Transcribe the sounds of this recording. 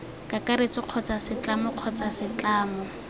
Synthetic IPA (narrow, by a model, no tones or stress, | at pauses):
kʼakʼaɾet͡sɪq͡χʰɔt͡sasɪt͡ɬamʊq͡χʰɔt͡sʼasɪt͡ɬaːmɔ